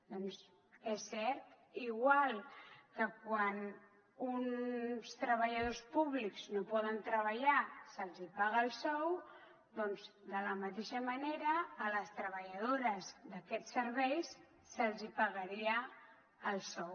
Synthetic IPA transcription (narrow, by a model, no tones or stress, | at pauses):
d̪ɔnz | ɛsːɛɾt̪ | iɣwalˠkəkwan | unst̪ɾəβəʎəð̞ospuβ̞likz̥nopɔðənt̪ɾəβəʎasəlˠzipaɣəːlˠsɔw | d̪ɔnzd̪ələmət̪eʃəməneɾəːləst̪ɾəβəʎəðoɾəzd̪əkɛtsəɾβɛjsː | əlˠzipəɣəɾiəː | lˠsɔw